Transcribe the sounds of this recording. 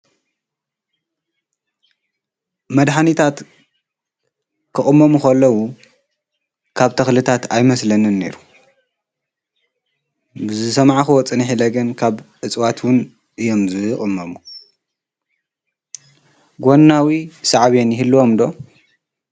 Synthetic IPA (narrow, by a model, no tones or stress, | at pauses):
mɐd̪ħanit̪ʰat̪ | kʰɨxʼɨmːɐmuxɐlːɐwu | kʰaβt̪ʰɐxlɨt̪ʰat̪ajmɐslɐnɨnːe̞̰ɾu | bɨzɨsɐmʕaxuwɔt͡sʼɨniħilɐɡɐnkʰaβʔɨt͡sʼwat̪wʊn | ʔɨjo̞mzɨχʼɨmːɐmu | ɡonːawisaʕaβenjɪhɨlːuwo̞md̪o̞